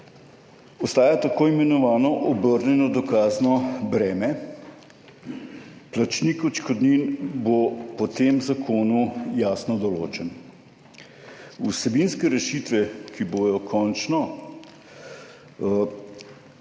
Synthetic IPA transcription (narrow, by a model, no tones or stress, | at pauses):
ɔst̪aːjat̪akoːimɛnɔʋaːnɔʔɔbəɾnɛnɔd̪ɔkaːznɔbɾɛːmɛ | plat͡ʃniːkɔt͡ʃkɔd̪ninbopɔt̪eːmzakʰoːnujaːsnɔd̪ɔlo̰ːt͡ʃɛn | usɛbinskɛɾɛʃit̪ʋɛkiboːjɔkʰɔnt͡ʃnɔ